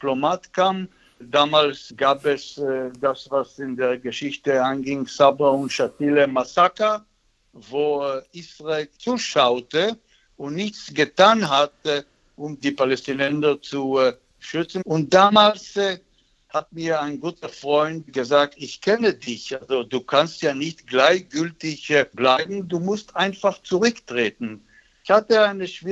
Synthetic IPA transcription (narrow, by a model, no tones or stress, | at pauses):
plomatkʰaːm | daːmaːlsɡaːpɛsdasvasɪndeːɐɡəʃɪçtəaɪnɡɪŋsabaʊntʃatiləmasaka | voːisʁaeːlt͡suːʃaʊtə | ʊntnɪçt͡sɡ̥ətaːnɦat | ʔʊmdiːpalɛstinɛnzɐt͡su | ʃʏt͡sn̩ʊnt̚d̥aːmaːls | hatmiːɐaɪnɡuːtɐfʁɔʏntɡəzaːk̚tɪçkʰɛnədɪçʔalzoduːkʰanstjaːnɪçtɡ̥laɪçɡ̥ʏltɪçblaɪbm̩duːmʊstʔaɪnfaχt͡suʁʏktʁ̥eːtn̩ | ɪçhatəaɪnəʃv̥iː